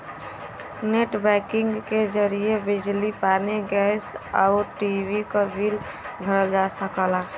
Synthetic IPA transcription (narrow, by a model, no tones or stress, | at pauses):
neʈbɛkɪŋɡked͡ʒəɾijebɪd͡ʒlipaneɡɛsaʊʈiwikabʱil | bʱəɾəld͡ʒasəkəla